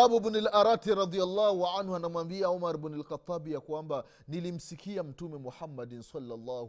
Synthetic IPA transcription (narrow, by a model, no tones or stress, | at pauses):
abubnulʔaɾatiɾɑðialːɑhuʕanhuanamwambiaɔmaɾbnalxat̪ˤːabijakwamba | nilim̩sikiam̩tumɛmuħamːadinsalːalˤːɑːh